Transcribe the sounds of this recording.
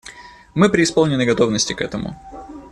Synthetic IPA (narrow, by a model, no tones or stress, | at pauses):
mɨpɾʲɪːspolˠnʲɪnːɨɡɐt̪o̞vnəsʲtʲɪkɛt̪əmʊ̰